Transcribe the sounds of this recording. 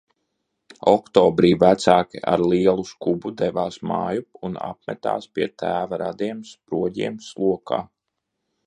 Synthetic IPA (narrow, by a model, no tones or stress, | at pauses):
ɔkt̪ɔːbɾiːvæt̪saːkʲiʔa̰ɾlˠiɛlˠuskubud̪ɛvaːsma̰ːjuuna̰p̚mɛ̰t̪a̰ːspiɛt̪æːvaɾad̪iɛmspɾuɔɟiɛmslˠuɔka̰ː